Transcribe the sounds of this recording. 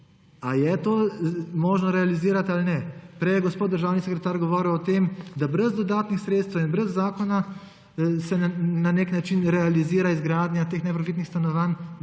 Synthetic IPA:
ajɛt̪oːmɔːʒnɔɾɛaliziːɾat̪alnɛpɾɛjɛɡɔspot̪d̪əɾʒaːwnisɛkɾɛt̪aːɾɡɔʋɔːɾiwɔt̪eːmd̪abɾɛzd̪ɔd̪aːt̪nixsɾeːt̪st̪ʋɛwinbɾɛzːaːkɔna | sɛnaneːknat͡ʃinɾɛaliziːɾaizɡɾaːd̪nʲjat̪eːxnɛpɾafit̪nixst̪anɔʋan

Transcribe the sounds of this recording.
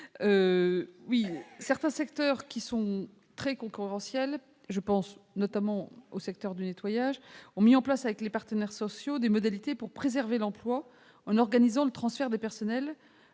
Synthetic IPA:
ø | wisɛʁt̪ɛ̃sɛkt̪œʁkʲisɔ̃ | t̪χɛkɔ̃kʲyʁɑ̃sjɛl | ʒəpɑ̃snɔt̪amɑ̃osɛk̚t̪œʁd̪ynet̪wajaʒɔ̃miɑ̃plasavɛklepaʁt̪ənɛʁsɔsjod̪emɔd̪alit̪epuʁpχezɛʁvelɑ̃plwa | ɑ̃nɔʁɡanizɑ̃lət̪χɑ̃sfɛʁd̪epɛʁsɔnɛl

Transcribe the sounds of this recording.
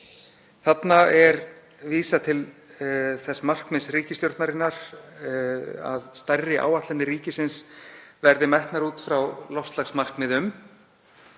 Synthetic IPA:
θat̪naɛɾ | viːsat̪ʰɪl | θɛsːamar̥kmɪsriːcɪst̪jowɾ̥t̪naɾɪnːaɾ̥ | a̰ðst̪ajɾɪʔa̰ːwat̪lanːɪɾiːcɪsɪnsvɛɾðɪmajht̪naɾuːt̪fɾawlɔfst̪laxsmar̥kmɪðʏm

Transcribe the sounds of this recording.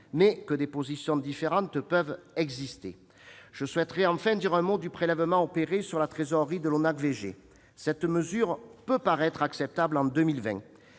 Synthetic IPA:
mɛkəd̪epozisjɔ̃d̪ifeʁɑ̃t̪pœvɛɡzist̪ḛ | ʒ̥əswɛt̪ʁɛɑ̃fɛ̃d̪iʁɛ̃mod̪ypχelɛvəmɑ̃ɔpeʁesyʁlat̪χezɔʁid̪əlonaʁveʒḛ | sɛt̪məzyʁpøpaʁɛt̪χaksɛp̚t̪ablɑ̃d̪ømilvɛ̰̃

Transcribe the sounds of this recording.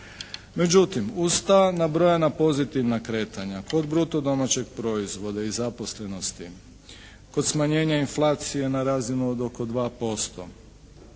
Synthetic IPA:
me̞d͡ʑut̪imust̪anabɾo̞janapo̞zit̪iʋnakɾe̞ːt̪aɲako̞d̪bɾut̪o̞d̪o̞mat͡ɕe̞ɡ̚pɾo̞izʋo̞d̪aizapo̞sle̞no̞st̪i | ko̞d̪smaɲe̞ːɲainflˠaːt̪sije̞naɾaːzinuod̪o̞ko̞d̪ʋaːpo̞st̪o̞̰

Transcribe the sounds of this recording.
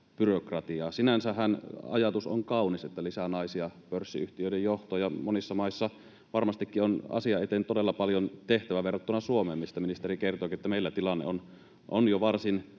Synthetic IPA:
pyrokrɑt̪iɑːsinænsæhænɑ̰jɑt̪uso̰ŋkɑuniset̪ːælisænɑisiɑpørsːḭyht̪iøˑidejjoht̪oːjɑmonisːɑmɑisːɑ | ʋɑrmɑst̪ikːionɑ̰siɑet̪ent̪odelːɑpɑljont̪eht̪æʋæʋerːot̪ːunɑsuomeːmːist̪ɑminist̪erikert̪oˑːkiet̪ːæmeˑilːæt̪ilɑnːḛon | ʔonjoʋɑrsin

